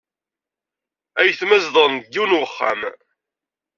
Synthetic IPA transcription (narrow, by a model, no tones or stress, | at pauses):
æjθmæzðˤənɡːiwnwəχːa̰m